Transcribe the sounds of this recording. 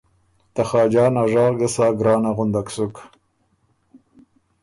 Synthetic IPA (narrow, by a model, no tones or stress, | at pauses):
t̪axɑːd͡ʒɑːnaʐɑːɣɡəsɑːɡɾɑːnaɣʊnd̪aksuk